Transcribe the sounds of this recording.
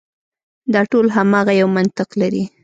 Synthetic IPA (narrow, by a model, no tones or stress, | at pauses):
d̪ɑʈolɦamɑɣajawmant̪ɪqlaɾi